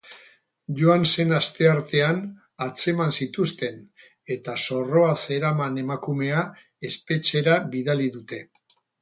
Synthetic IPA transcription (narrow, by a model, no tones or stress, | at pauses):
ʝoanse̞nast̪e̞aɾt̪e̞an | at͡se̞mansit̪ust̪e̞n | e̞t̪aso̞ro̞ase̞ɾamane̞makume̞a | e̞spe̞t͡ʃe̞ɾaβiðaliðut̪e̞